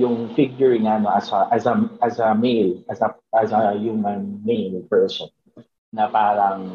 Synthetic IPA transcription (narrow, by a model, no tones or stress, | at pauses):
jʊŋfɪɡjʊɹɪŋɐɐnoʔɐsɐʔasɐɐsɐmelɐsɐ | ɐsɐjumɐ̃nmelpɛɹsɔn | nɐpaːɾɐŋ